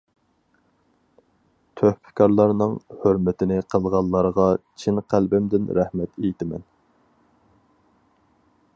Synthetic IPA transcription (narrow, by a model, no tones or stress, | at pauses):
t̪ʰøhpʰɪ̥kʰɑɾlˠɑɾnɨŋhøɾmɪt̪ʰɪnɪqʰəlˠʁɑlˠːɑɾʁɑt͡ʃʰinqʰælbɪmd̪ɪnɾæhmɛt̪ejit̪ɪmɛ̰n